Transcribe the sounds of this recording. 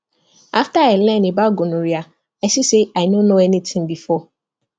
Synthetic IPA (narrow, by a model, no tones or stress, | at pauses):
aftaɛlɛ̃nebaɡonõɾia | aɪsiseaɪnonoɛnitʰĩŋbifɔ